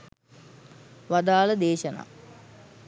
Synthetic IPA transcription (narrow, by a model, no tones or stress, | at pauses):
ʋad̪aːləd̪eːʃəna̰ː